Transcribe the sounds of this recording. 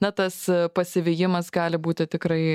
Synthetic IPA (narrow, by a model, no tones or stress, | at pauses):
nɐt̪ɐspɐsʲɪʋʲɪjɪmɐsɡɑːlʲɪbuːt̪ʲɪt̪ʲɪkɾɐɪ